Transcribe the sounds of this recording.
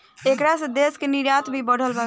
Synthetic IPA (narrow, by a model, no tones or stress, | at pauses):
ekɾasə̃d̪eskeniɾjat̪bʱibəɽ̤ʱəlbə